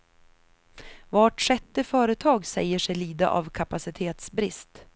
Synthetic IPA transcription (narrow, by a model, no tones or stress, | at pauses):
vɑːʈʂɛt̪ːəfœːɾət̪ʰɑːɡsɛ̰jəʂɛjliːd̪a̰ʔa̰vkʰapasɪt̪ʰeːt̪sbɾɪ̰st̪